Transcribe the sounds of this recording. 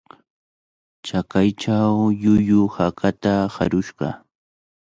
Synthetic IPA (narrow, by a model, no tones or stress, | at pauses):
t͡ʃakajt͡ʃawʎʊjʊhakat̪aha̰ɾʊʃɢɑ̰